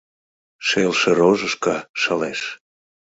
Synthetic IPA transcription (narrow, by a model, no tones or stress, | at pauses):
ʃelʃeɾoʒəʃkɑʃəleʃ